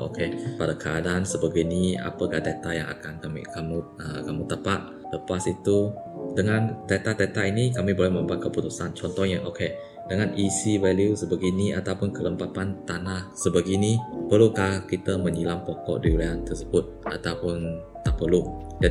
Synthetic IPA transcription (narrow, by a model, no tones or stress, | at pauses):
ʔo̰kʰepadakʰəa̰dansəbaɡajnia̰pəkahdat̪aja̰ŋa̰kankamḭkamuəkamut̪əpaʔ | ləpasit̪u | dəŋãndat̪at̪at̪ainikamibolɛhmə̃mbuat̪̚kəput̪usant͡ʃɔnt̪ɔhɲəʔokʰe | dəŋanʔisivaɛliusəbaɡiniʔat̪awpʊnkələmpapant̪anahsəbaɡinipərlukahkit̪əmə̃ɲilampɔkɔ̰ʔdiuliant̪ərsəbʊt̪̚ʔa̰t̪awpʊn | t̪apəluʔ | d͡ʒa